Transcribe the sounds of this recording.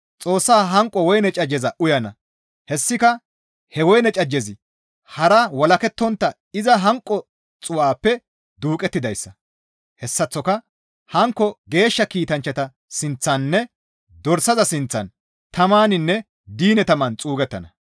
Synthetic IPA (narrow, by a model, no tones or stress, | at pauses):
t͡sʼo̞ːsːaːɦɐŋkʼːɔwɔjnɛt͡ʃʼɐd͡ʒɛzɐʔʊjɐnɐ | hɛsːɪkɐ | hɛwɔjnɛt͡ʃʼɐd͡ʒːɛzɪ | hɐɾɐwɐlɐkɛt̪ːɔnt̪ːɐ | ɪzɐɦɐŋkʼːɔ | t͡sʼʊwaːpːɛ | d̪uːkʼɛt̪ːɪd̪ɐjsːɐ | hɛsːɐt͡sːɔkɐ | hɐŋkːɔɡe̞ːʃːɐkiːt̪ɐnt͡ʃːɐt̪ɐ | sɪnt͡sːɐnːɛ | d̪ɔɾsɐzɐsɪnt͡sːɐ̰n | t̪ɐmaːnɪnːɛ | d̪iːnɛt̪ɐmɐnt͡sʼuːɡɛt̪ːɐ̰nɐ